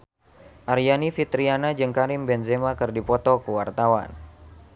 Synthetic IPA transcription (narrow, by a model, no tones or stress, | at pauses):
ʔaɾjanifit̪ɾianad͡ʒɨŋkaɾimbɛnzemakɨrdipɔt̪ɔkuwart̪awa̰n